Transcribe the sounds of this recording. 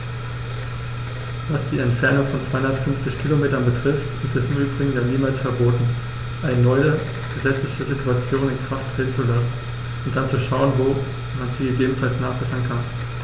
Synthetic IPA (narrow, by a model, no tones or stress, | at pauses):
vasd̥iːɛntfɛɐnʊŋfɔnt͡sv̥aɪhʊndɐtfʏnft͡sɪçkʰilomeːtɐnbətʁ̥ɪftɪstɛsɪmʔyːbʁɪɡŋ̩jaːniːmaːlsfɛɐboːtn̩ | ʔaɪnənɔʏə | ɡ̥əzɛt͡slɪçəzitʰuat͡sjoːnɪnkʁ̥afttʁ̥ɛːtn̩t͡sulasn̩ | ʊnt̚d̥ant͡suʃaʊənvoː | manziːɡəɡeːbm̩falsnaːχb̥ɛsɐnkʰan